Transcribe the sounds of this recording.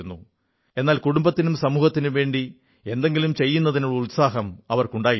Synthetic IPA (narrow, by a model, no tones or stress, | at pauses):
nːṵ | e̞nːaːlkuɽumbɐt̪ːinumsɐmuːhɐt̪ːinɨʋe̞ːɳɖi | e̞nd̪e̞ŋɡilumt͡ɕe̞jːunːɐðinuɭːɐut̪saːɦɐmɐʋɐrkuɳɖaːj